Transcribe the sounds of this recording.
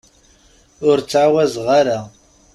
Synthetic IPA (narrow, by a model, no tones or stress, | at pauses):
ʊɾt͡sːʕawæzʁaɾa